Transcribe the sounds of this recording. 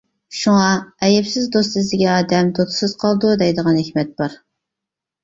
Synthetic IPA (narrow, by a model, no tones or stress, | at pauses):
ʃuŋɑɛjɛpsɪzd̪osɨzd̪ɪɡʲɛɑːd̪ɛmd̪ot̪ʰɨ̥sɨz̥qʰɑlˠd̪ud̪ɛjd̪əʁɑnhɪkʲmɛt̪̚b̥ɑɾ